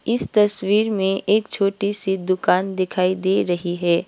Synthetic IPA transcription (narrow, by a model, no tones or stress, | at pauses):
ɪst̪ɐswiːɾmẽʔeːkt͡ʃʰoːʈisid̪ʊkaːnd̪ɪkʰaːid̪eːɾɐɦiɦɛː